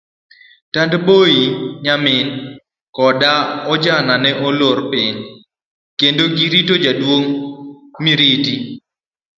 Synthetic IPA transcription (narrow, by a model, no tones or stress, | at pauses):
tandboiɲamɪn | kɔdaɔd͡ʒananɛʔoloɾpɪɲ | kendoɡiɾitod͡ʒadwoŋ | miɾiti